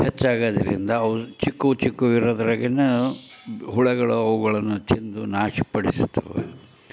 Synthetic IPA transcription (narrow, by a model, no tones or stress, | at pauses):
het͡ʃːaːɡaːd̪ɐɾḭnd̪ɐːʋt͡ʃikːut͡ʃikːuʋiɾoːd̪ɐɾɐɡene | ɦuɭɛɡɐɭuɐʋuɡɐɭɐnːut̪ːind̪unaːʂipɐɽisu̥t̪ʰːɐ̰ʋḛ